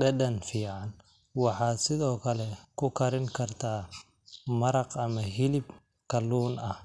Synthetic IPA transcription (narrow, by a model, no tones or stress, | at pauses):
ɖɐdɐnfiːʕɑn | wɑħɑːd̪sɪðɔːkʰɐlɛkʰʊkʰɐɾɪŋkʰɐrt̪ʰaː | mɐɾɐqɐmɐɦɪlɪb | kʰɐluːnɐh